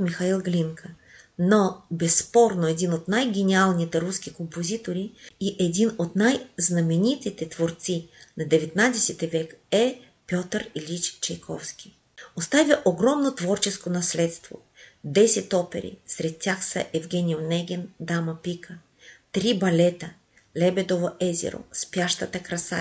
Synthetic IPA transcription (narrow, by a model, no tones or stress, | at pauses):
mixɐilˠɡlʲiŋkʰə | nobɛsːpɔɾnoɛd̪inot̪najɡʲɛnialˠnit̪ɛɾusk̟ʲikompozit̪oɾiiʔɛd̪inot̪najznɐmɛnit̪it̪ɛt̪voɾt̪sinɐd̪ɛvɛt̪nad̪ɛsɛt̪ɛvɛkɛ | pʲjɔt̪əɾilʲit͡ʃt͡ʃɛjkʰɔfskʲi | ost̪avʲjɐʔoɡɾɔmnot̪vɔɾt͡ʃɛskonɐslɛt̪st̪vo̰ | d̪ɛsɛt̪ɔpɛ̰ɾḭsɾɛt̪ːʲjaxsə̰ʔɛvɡʲɛnʲionɛɡʲɛnd̪amɐpikʰə | t̪ɾibɐlɛt̪ə | lɛbɛd̪ovoʔɛzɛ̰ɾo̰spjaʃt̪ɐt̪əkɾɐsa̰